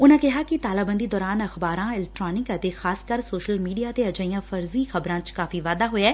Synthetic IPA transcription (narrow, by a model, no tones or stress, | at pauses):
ʊnãːkɪɦaːkɪt̪aːlaːbə̃nd̪iːd̪ɔːɾaːnəxbaːɾãːɪlɛk̚ʈɾaːnɪkət̪eːxaːskəɾsoːʃəlmiːɖijaːt̪eːəd͡ʒaːijãːfʰəɾziːxʰəbɾãːt͡ʃkaːfiːʋaːd̪aːɦoːeɛː